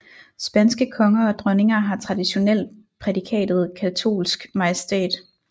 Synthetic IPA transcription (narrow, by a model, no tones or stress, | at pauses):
sb̥ænsɡ̥əkʰɒ̽ŋɐɒ̽d̥ʁœne̝ŋɐɦɑ̈t͡sʰʁɑ̈d̥iɕo̝nel̰̥ | pʰʁɛdikʰɛ̰ːd̥ð̞̩ˠkʰæt͡sʰo̝̰ːlsɡ̥mɑ̈jəsd̥ḛːd̥